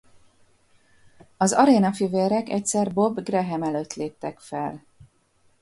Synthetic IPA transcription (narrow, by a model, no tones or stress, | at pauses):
ɒzɒɾeːnɒfiveːɾɛkɛ̰c̚sɛrbo̞bɡrɛɦɛmɛløːt̪leːp̚t̪ɛkfɛl